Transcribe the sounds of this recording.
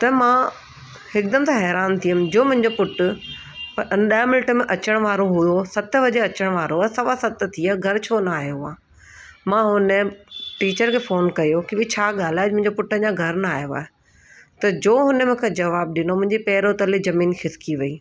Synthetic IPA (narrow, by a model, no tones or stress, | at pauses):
t̪ɐmãː | hɪk̚d̪ɐmt̪ʰãɦɛːɾaːnt̪ʰiəmd͡ʑoːmʊ̃ɦɪ̃ɲd͡ʑopʊʈʊ | pɐʔɐnɗaj̃mɪnɪʈə̆mẽʔɐt͡ɕəɽ̃ʋaːɾoɦʊjosɐt̪ʋɐd͡ʑeɐt͡ɕəɽ̃ʋaːɾoaːsɐʋasɐt̪t̪ʰiaɡʱɐɾt͡ɕʰoːnɐaːjoɦaː | mãːɦʊnəʈiːt͡ɕəɾkʰeːfoːnkɐjokiʋit͡ɕʰaːɠaːl̤aːemʊ̃ɪ̃ɲd͡ʑopʊʈəd͡ʑãːɡʱɐɾnɐaːɦjoa̰ːɦe | t̪ɐd͡ʑoːɦʊnəmʊ̃ːkʰed͡ʑɐʋaːb̚ɗɪnomʊ̃ɦɪ̃ɲd͡ʑipɛːɾot̪ɐlizɐmiːnxɪskiʋɐiː